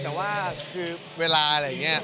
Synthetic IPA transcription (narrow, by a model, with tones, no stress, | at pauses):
t̪ɛː˨˩waː˥˩kʰɯː˧ | weː˧laː˧a˧ɾja˨˩ŋːi˦˥ɐ˩